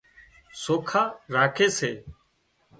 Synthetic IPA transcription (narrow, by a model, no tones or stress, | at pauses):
soːkʰaːɾaːkʰeːseː